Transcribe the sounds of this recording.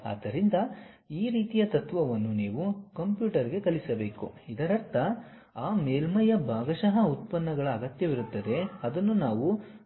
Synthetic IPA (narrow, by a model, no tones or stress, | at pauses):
a̰ːd̪ːɐɾind̪ɐ | iːɾiːt̪ijɐt̪ɐt̪ʋɐʋɐnːuniːʋukɐmpjuːʈɐɾiɡe̞kɐlisɐbe̞ːkṵid̪ɐɾɐɾt̪ʰɐ | aːmeːlmɐjɐbʱaːɡɐʃɐɦɐut̪̚pɐnːɐɡɐɭɐːɡɐt̪jɐʋiɾut̪ːɐd̪e̞ɐd̪ɐnːunaːʋu